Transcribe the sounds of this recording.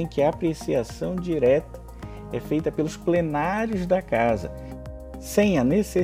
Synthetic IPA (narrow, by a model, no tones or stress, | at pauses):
ẽj̃kɪɐːpɾesiasɐ̃w̃d͡ʒiɾɛt̪ɐ̥ | ɛ̰fejt̪ɐpelʊsplenaɾjʊzd̪ɐkazɐ̰ | sẽj̃ɐnese